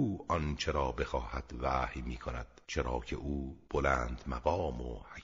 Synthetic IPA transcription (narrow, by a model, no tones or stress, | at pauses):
uːɒnt͡ʃʰeɾɒːbe̞xɒːhæd̪̥væːhjmiːkʰonæd̪̥t͡ʃʰeɾɒːcʰe̞̰ʔuːb̥olæːnd̪̥mæɣɒːmo̰hæ